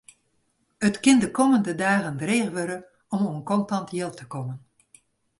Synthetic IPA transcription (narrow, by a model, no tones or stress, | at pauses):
ətkɪndəkoməndədaːɣəndreːɣʋøɾə | ɔmoənkɔntɑntʰjɪlˠtʰə̥komən